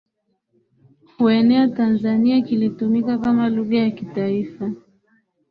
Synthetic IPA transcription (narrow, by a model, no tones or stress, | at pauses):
huɛnɛatanzaniakilitumikakamaluɣajakitaifa